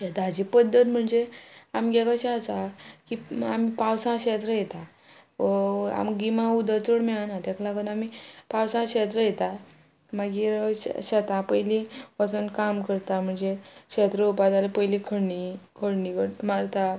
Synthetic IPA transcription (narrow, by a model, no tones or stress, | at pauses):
ɛt̪ad͡ʑipəd̪ʱːət̪m̤əɳd͡zeamɡɛɡaɕaasakiamipawsãɕɛt̪ɾəjet̪a | a̰mɡimãud̪ət͡soɽmɛanat̪aklaɡənamipawsãɕet̪ɾəjet̪a | maɡiɾɕat̪ãpəjlipasunkamkəɾt̪am̤əɳd͡zeɕet̪ɾəupad̪alepəjlikʰəɽɳikʰəɽɳikəmaɽt̪a